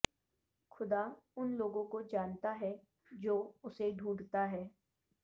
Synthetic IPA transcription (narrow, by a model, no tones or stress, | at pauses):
xʰʊd̪aʊnloːɡõkod͡ʒaːnt̪aɦɛ | d͡ʒoːʊseɖʱũːɖt̪aɦɛː